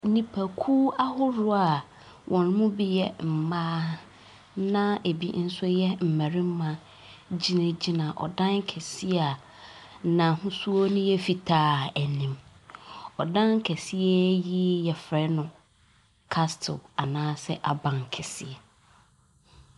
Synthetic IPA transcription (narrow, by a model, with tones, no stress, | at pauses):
nĩ˨pʰæ˨kʰuː˦a˦hʊ˦ɾʊ˦a˨ | wʔɔ̃˨n˦mũ˦bi˦jɛ˦m̩˨maː˦ | nã˦e˨bḭ˦n̩˦sʊ˦jɛ˦m̩˨mæ˨ɾɪ̃˦m˦mã˨ | d͡ʑi˦nã˨d͡ʑi˦nã˨ʔɔ̰˨dã˦ŋ˦kʰɛ˨si˦a˨ | nã˨ɦʊ̃˦su˦o˦nʊ̃˦jɛ˦fi˨tʰaː˦æ˨nĩ˨m | ɔ˨dã˦ŋ˦kʰɛ˨si˦ɛ˦ji˦jɛ˨fɾɛ˦nʊ̃˨ | kʰa˦stʰɪ̰˨a˨nãː˦sɛ˦ʔa˨bã˨ŋ˨kʰɛ˨sɪ˦˨ɛ˨